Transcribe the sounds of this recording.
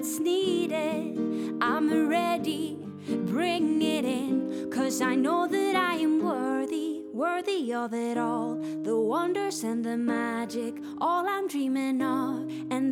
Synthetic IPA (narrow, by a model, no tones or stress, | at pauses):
tsniɾɪɾʔãɪ̃mɹɛɾi | bɹɪ̃ŋɪɾɪ̃nkʰʌzaɪnoʊðɨɾaɪɨ̃mwɜ˞ði | wɜ˞ðiʌvɪɾɔlˠ | ðəwʌ̃ndə˞zɨ̃nðɨmæd͡ʒɪk | ʔɔlˠãɪ̃mdɹĩmɪ̃ŋʌv | ɨ̃n